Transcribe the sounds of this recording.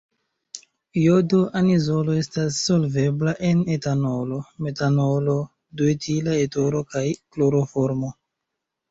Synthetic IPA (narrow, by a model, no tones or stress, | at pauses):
jodoʔanizo̞lo̞e̞stasːolve̞blaʔe̞netanolo̞me̞tanolo̞ | duetʰilaetoɾo̞kajkloɾofoɾmo̞